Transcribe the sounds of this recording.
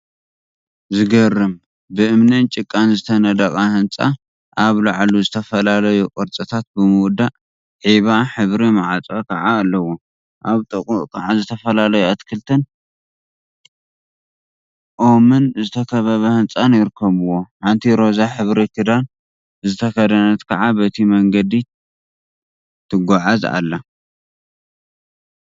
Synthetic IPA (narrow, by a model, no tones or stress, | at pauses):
zɨɡɐrːɨm | bɨʔɨmnɨnt͡ʃʼɨkʼːanzɨt̪ʰɐnɐd̪ɐkʼahɨnt͡sʼa̰ | ʔaβlaʕluzɨt̪ʰɐfɐlalɐjukʼɔɾt͡sʼɨt̪ʰat̪̚bɨmɨwd̪aʔ | ʕiβaħɨβɾimaʕat͡sʼɐkʰɐʕaːlːɐwo | ʔaβt̪ʼɨkʼuʔʼkʰʼɐʕazɨt̪ʰɐfɐlalɐjuat̪kʰɨlt̪ʰɐn | ʔomɨnzɨt̪ʰɐkʰɐβɐβɐhɨnt͡sʼanjɪɾɨkʰːɐβuwo̞ħant̪ʰiɾo̞zaħɨβɾit̪ʰɨd̪an | zɨt̪ʰɐkɐd̪ɐnɐt̪kʰɐʕabɐt̪ʰimɐŋɡɐd̪i | t̪ʰɨɡʷaʕaza̰lːɐ